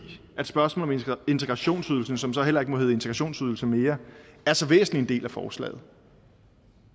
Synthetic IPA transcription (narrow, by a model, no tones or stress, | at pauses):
ʔæd̥sb̥ɶɐsmɔ̰ːlɒme̝nt͡sʰe̝ɡ̥ʁɑ̈ɕo̝̰ːnsyð̞ˠl̩sn̩sɒ̽msɒ̽ɦel̰ɐe̝ɡ̥əmɒɦeːð̩ˠe̝nt͡sʰeɡ̥ʁɑɕo̝̰ːnsyð̞ˠl̩səme̝ːɐæɐsɒ̽ʋḛːsn̩lie̝nd̥e̝̰ːlæfɒːslɛ̰ːð̞̩ˠ